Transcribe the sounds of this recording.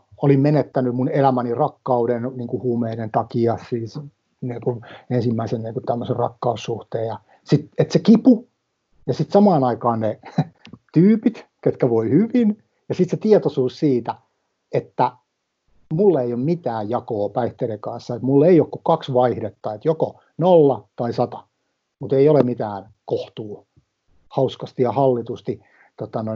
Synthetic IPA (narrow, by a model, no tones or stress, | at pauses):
olimmenet̪ːænymunelæmænirɑkːɑudenniːŋkuhuːmeinent̪ɑkiɑssiːs | niːŋkunensimːæisenniːŋkut̪æmːøserrɑkːɑusːuht̪eːjjɑ | sit̪et̪sekipu | jɑsit̪sɑmɑːnɑikɑːnne | t̪yːpit̪ket̪kæʋoihyʋin | jɑsit̪set̪iɛt̪osuːssiːt̪æ | et̪ːæ | mulːeijommit̪æːjjɑkoːpæiht̪eɾekɑnsːɑet̪mulːeiokkukɑksʋɑihdet̪ːɑet̪joko | nolːɑt̪ɑisɑt̪ɑ̥ | mut̪eiolemit̪æːn | koht̪uː | hɑuskɑst̪ijɑhɑlːit̪ust̪i | t̪ot̪ɑno